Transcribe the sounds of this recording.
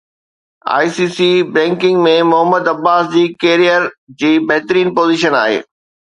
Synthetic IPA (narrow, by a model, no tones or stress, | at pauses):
a̰ːisiːsibɾɛ̃ːŋkɪ̃ŋɡmẽmʊɦəməd̪ɐbaːsd͡ʑiːkeːɾijəɾd͡ʑiːbɐɦt̪ɾiːnpoːziːʃəna̰ːɦḛː